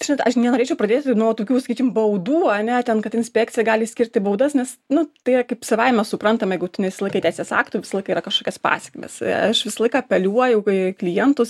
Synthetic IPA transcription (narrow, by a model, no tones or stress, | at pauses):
ʒʲɪnɐtɐʃnʲɛnoɾʲeːt͡ʃɛoʊpɾɐd̪ʲeːt̪ʲnuɔt̪oːkʲuːsɐkʲiːkʲɪmbɐʊd̪uːɐnʲɛt̪ʲɛnkɐt̪ɪnʲsʲpʲæːk̚tt͡sʲɪjɛɡɑːlʲɪsʲkʲɪɾʲt̪ʲɪbɐʊd̪ɐsnʲɛsnʊt̪ɐɪrɐkɐɪpsɐʋɐɪmʲɛssʊpɾɐnt̪ɐmjɛɪɡʊt̪ʲʊnʲɛʋʲɪsʲɐlˠɐɪkɐt̪ʲæɪsʲeːsɑ̰ːkt̪uːʋʲɪsɐlˠɐɪkɐiɾɐkɐʃkoːkʲɛspɑ̰ːsʲɛ̥kʲmʲḛːsɐʃʋʲɪsɐlˠɐɪkɑːpʲɛlʲuɔjɛʊkɐklʲɪjɛnt̪ʊs